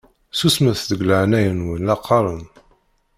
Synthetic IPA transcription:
susməθðəɡləʕnæjənwənlɑqʰːɑɾˤən

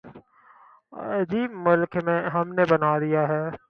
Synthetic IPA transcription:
d͡ʒiːmʊlkmẽɦɐmnebɐnaːd̪ijaɦɛː

